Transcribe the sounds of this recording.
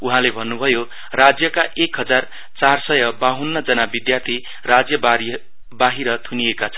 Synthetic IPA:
uɦãlebʱʌnːubʱʌjo | rad͡zjʌkaʔekɦʌd͡zar | t͡sarsʌjʌbaɦunːʌd͡zʌnabid̪jat̪ʰi | rad͡zjʌba | baɦiɾʌt̪ʰuniekat͡sʰʌ̥n

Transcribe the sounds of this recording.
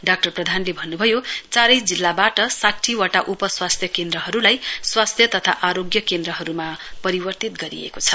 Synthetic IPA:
ɖak̚ʈʌrprʌd̪ʱanlebʱʌnːubʱʌjot͡saɾʌjd͡zilːabaʈʌsaʈʰːiwʌʈaʔupʌswast̪ʰjʌkend̪ɾʌɦʌɾulajswast̪ʰjʌt̪ʌt̪ʰa̰ʔaɾoɡjʌkend̪ɾʌɦʌɾumapʌɾibʌrt̪it̪ɡʌɾḭḛkot͡sʰʌ̥

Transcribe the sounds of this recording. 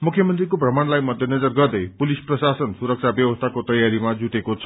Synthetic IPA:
mukʰjʌmʌnt̪rikoprʌmaɳ̃lajmʌd̪ʱjʌnʌd͡zʌrɡʌrd̪ʌjpulisprʌsasʌnsuɾʌk̚t͡sʰabjʌwʌst̪ʰakot̪ʌjaɾimad͡zuʈekot͡sʰʌ̥

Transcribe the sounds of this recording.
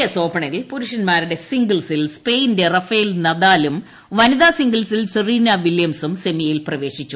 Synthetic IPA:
ɐso̞ːpːɐɳɐjilpuɾuʂɐnmaːɾuɽe̞siŋɡɐɭsilspejnde̞rɐfɐjilnɐðaːlum | ʋɐniðaːsiŋɡɐɭsilsuriːnɐʋiljɐmsumse̞mijilprɐʋe̞ːɕit͡ɕːu

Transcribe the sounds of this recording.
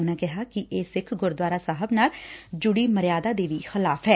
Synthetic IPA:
ʊnãːkɪɦaːkɪʔeːsɪkʰɡʊɾd̪waːɾaːsaːɦəbnaːld͡ʒʊɽiːməɾɪjaːd̪aːd̪eːʋiːxɪlaːpʰɦɛː

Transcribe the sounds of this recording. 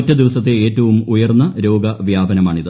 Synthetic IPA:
tːɐd̪iʋɐsɐt̪̬ːeeːtːɐʋumujɐrnːɐɾo̞ːɡɐʋjaːbɐnɐmaːɳiðɨ

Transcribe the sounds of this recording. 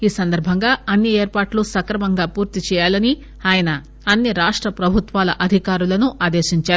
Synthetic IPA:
iːsɐnd̪ɐɾbʱɐŋɡaːɐnːieːɾpaːʈlusɐkɾɐmɐŋɡaːpuːɾt̪it͡ʃɛːjaːlɐni | aːjɐnɐ | ɐnːiɾaːʂʈɾɐpɾɐbʱut̪ʋaːlɐʔɐd̪ʱikaːɾulɐnuʔaːd̪eːʃiɲt͡ʃaːɾu

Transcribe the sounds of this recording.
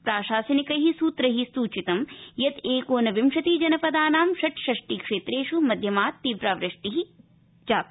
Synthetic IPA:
pɾaːʃaːsɐnikɐɦisuːt̪ɾɐɦisuːt͡ʃit̪ɐmjɐt̪eːkoːnɐʋimʃɐt̪id͡ʒɐnɐpɐd̪aːnaːmʃɐʈʃɐʂʈikʂeːt̪ɾeːʂumɐd̪ʱjɐmaːt̪ːiːʋpɾaːʋɾɪʂʈiɦi | d͡ʒaːt̪

